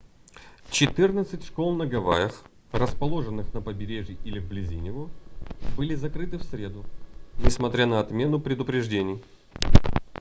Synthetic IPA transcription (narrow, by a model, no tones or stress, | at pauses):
t͡ɕɪt̪ɨrnət̪sɨtʲʂkolˠnəɡɐva̰jəx | rəspɐlˠo̞ʐɨnːɨxnəpəbʲɪɾʲeʐʲjɪʔilʲɪvblʲɪzʲinʲɪvobɨlʲɪzɐkɾɨt̪ɨfsʲɾʲe̞d̪ʊnʲɪsmɐt̪ɾʲanəɐt̪mʲe̞nʊpɾʲɪd̪ʊpɾʲɪʐdʲenʲɪj